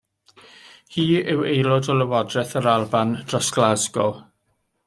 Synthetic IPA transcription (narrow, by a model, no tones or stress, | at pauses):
hiːɪwejlɔdɔləwɔdrɛθəɾalˠband̥rɔsɡ̥lˠazɡɔ